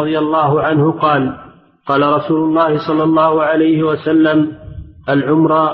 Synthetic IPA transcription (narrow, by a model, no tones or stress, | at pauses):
ðˤɪjalˤːɑːɦʊʕanhʊqɑːl | qɑːlaɾˤɑsuːlʊlˤːɑːhɪsˤɑlːɑlˤːɑːhʊʕalajhɪwasalːamʔalʕʊmɾˤɑ